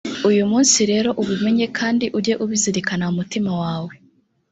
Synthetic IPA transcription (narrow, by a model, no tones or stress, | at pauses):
ujumuːnsiɾe̞ːɾo̞ʔuβume̞ɲe̞kʰaːndiʔuɾɟe̞ʔuβiziɾikanaumutimawaːwe̞